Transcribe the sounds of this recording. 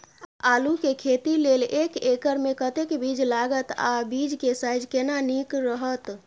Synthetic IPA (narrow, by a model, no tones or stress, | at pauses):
alukekʰet̪ilelekekəɾmẽkət̪ekbid͡ʒlaɡət̪a̰bid͡ʒkesajd͡ʒkenanikɾəɦət̪